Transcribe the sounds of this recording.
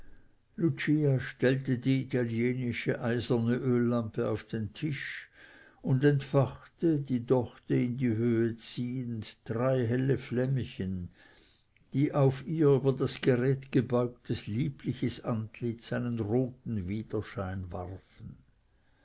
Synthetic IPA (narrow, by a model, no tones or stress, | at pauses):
lut͡ʃiːaʃtɛltədiːitʰaljeːnɪʃəʔaɪzɐnəʔøːlːampəaʊfd̥entʰɪʃ | ʊndɛntfaχtədiːdɔχtəɪndiɦøːət͡siːəndd̥ʁaɪɦɛləflɛməçən | d̥iːʔaʊfiːɐyːbɐdasɡ̥eʁɛːtɡ̥əbɔʏk̚tʰəsliːplɪçəsantlɪtsaɪnənʁoːtn̩viːd̥ɐʃaɪnva̰ʁfn̩